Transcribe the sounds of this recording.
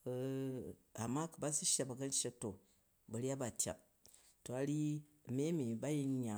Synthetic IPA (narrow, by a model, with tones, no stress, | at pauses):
a˨mːa˦kə˨ba˦si˦ʃa˦ba˨ɡa˦n˦ʃa˦to˨ | bɐ˨ɾi˦a˦ba˨tʲa̰˨ | to˨a˨ɾi˦˨me˦mi˨ba˦ji˦n˦ɲa˨